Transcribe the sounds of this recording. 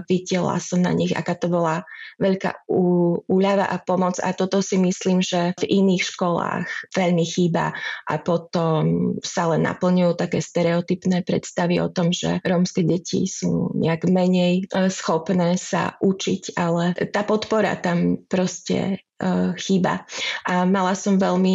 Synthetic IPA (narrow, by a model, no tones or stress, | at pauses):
ʋiɟɛla̰sɔmna̰ɲiɣa̰kaːt̪ɔbɔlaʋɛʎka̰ːuuːʎaʋa̰ʔapɔmɔd͡za̰t̪ɔt̪ɔsimisliːmʒɛviniːxʃkɔla̰ːxʋɛʎmixiːba̰ʔapɔt̪ɔmsalɛnːa̰pl̩ɲujuːt̪akɛːst̪ɛɾɛɔt̪ipnɛːpɾɛ̰t̪st̪aʋiʔɔ̰t̪ɔmʒɛ̰ɾɔmskɛɟɛcʰḭsṵːɲɛ̰aɡmɛɲɛjsxɔpnɛːsa̰ʔut͡ʃicalɛt̪aːpɔt̪pɔɾa̰t̪ampɾɔscɛ̰ | xiːba̰ʔamalasɔmʋɛʎmi